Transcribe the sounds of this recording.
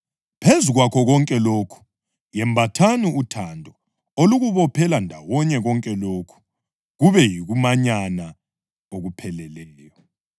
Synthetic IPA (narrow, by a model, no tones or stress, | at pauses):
pʰezuɣwakʰɔɣɔŋkʼɛloːkʰu̥ | jɛmbʱatʰaniutʰandʱɔ | oluɣuβɔpʰɛlandʱawɔɲɛɣɔŋkʼɛloːkʰu̥ | ɣuβɛjiɣumaɲana | oɣupʰɛlɛlɛːjɔ